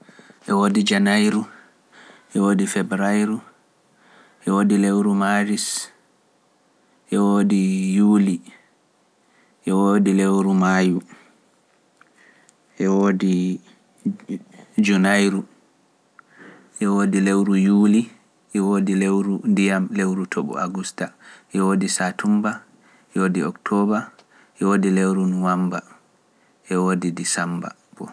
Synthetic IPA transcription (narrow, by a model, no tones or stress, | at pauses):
ʔɛwoːdid͡ʒanajɾu | ʔɛwoːdifɛbɾajɾu | ʔɛwoːdilewɾumaɾis | ʔɛwoːdijuːli | ʔɛwodilewɾumaju | ʔɛwodi | d͡ʒunajɾu | ʔɛwoːdilewɾujuːli | ʔɛwoːdilewɾudijamlewɾutʰɔɓɔ̰a̰ɡustaʔɛwoːdisatʰumba | ɛwodiɔktʰɔba | ʔɛwoːdilewɾunuwamba | ʔɛwoːdidisamba̰ | bɔ̰